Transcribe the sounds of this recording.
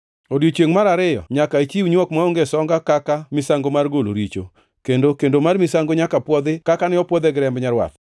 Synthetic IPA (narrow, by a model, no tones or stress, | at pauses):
odjot͡ʃeŋmaɾaɾɪjɔ̰ɲakait͡ʃiwɲwɔkmaoŋɡesɔŋɡakakamɪsaŋɡomarɡolo̰ɾit͡ʃo̰ | kendokendomarmɪsaŋɡoɲakapwɔd̪ɪkakanɪɔpwɔd̪eɡɪɾɛmbɲaɾwa̰t̪